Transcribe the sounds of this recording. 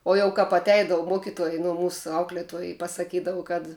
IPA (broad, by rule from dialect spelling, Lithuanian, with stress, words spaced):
oː jɛʊ ˈkɐp ɐtʲˈɛɪdɐʋʊ ˈmuɔkʲɪtuɔj nʊ ˈmuːsʊ ˈɐʊklʲiɛtuɔj ɪ pɐsɐˈkʲiːdɐʋʊ kɐt